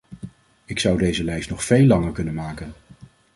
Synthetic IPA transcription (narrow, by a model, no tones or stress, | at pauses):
ɪksʌwdejzəlɛjstnɔχfejlːɑŋəɹkɵnənmaːkən